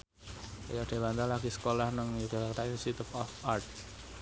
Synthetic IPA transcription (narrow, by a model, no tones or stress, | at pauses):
ajaɖ̥e̤bant̪alaɡ̥isə̥kolahnəŋjuɡalakt̪ainisit̪ɪfɔfart̪̚